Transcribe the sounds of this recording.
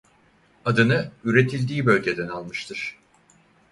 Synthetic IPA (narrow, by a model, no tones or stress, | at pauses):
ad̪ɯnɯyɾe̞t̪ʰilʲd̪iːbø̞lʲɟe̞d̪ɛnalˠmɯʃt̪ʰɯɾ̥